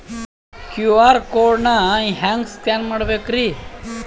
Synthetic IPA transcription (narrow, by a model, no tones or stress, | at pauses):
kjuaɾkoɾnaĩɦãŋɡskanməɽʋekɾi